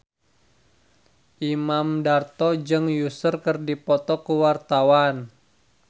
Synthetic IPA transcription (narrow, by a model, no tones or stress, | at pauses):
ʔimamdart̪ɔd͡ʒɨŋjusərkɨrdipɔt̪ɔkəwart̪awan